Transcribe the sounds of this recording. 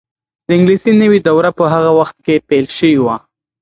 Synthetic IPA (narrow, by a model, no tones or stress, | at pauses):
d̪̥əɪŋɡlisinəwid̪awɾapəɦaɣawaxt̪̚kepelʃəwiwa